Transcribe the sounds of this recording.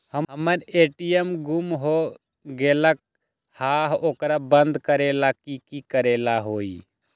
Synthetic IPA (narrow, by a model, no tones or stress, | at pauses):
həɦəməɾeːʈijəmɡumɦo | ɡelək̚ | haːɦoːkɾabənd̪kəɾeːlakikikəɾelaɦoːḭ